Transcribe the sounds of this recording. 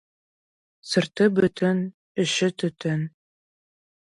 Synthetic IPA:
sɤ̆ɾt̪ɤbɵt̪ʰɘn | ɘ̆ʃɘt̪ɵ̆t̪ʰɘn

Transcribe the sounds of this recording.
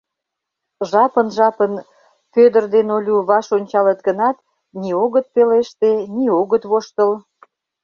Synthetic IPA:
ʒɑpənʒɑpən | fød̪ərd̪enolʲuβɑʃonʲt͡ɕɑlət̪̚ɡənɑt̪ | nioɣət̪̚peleʃt̪enioɣət̪βoʃt̪əl

